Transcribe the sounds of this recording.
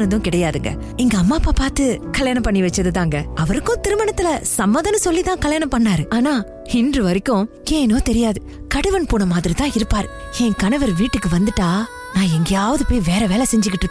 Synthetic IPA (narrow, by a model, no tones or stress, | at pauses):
nɐnd̪ɯ̃kɪɽɐjaːðɯŋɡɐ̰ | ɪŋɡɐɐmːaːpːaːpaːɾt̪ɯkɐljaːnɐpɐɳːiʋɐt͡ʃːɾɐðɯt̪ãːŋɡɐʔɐʋɐɾɯkːʊ̃t̪ɪɾɯmɐɳɐt̪ːɪlɐsɐmːɐːðɐnɐsɔlːit̪ãːkɐljaːnɐmpɐɳːaːɾɯaːnaː | hɪndɾɯʋɐɾɪkːʊ̃ | keːnoːt̪ɛɾɪjaːðɯ | kɐɽɯʋɐnpuːnɐmaːðɪɾit̪ãːɪɾɯpːaːɾɯ | ɛŋkɐnɐʋɐɾʋiːʈːɯkːɯʋɐnd̪ɯʈːaː | nãːɛŋɡɐjaːʋɐðɯpoːjʋeːɾɐʋeːlɐsɛɲd͡ʒɯkːɪʈːɯkː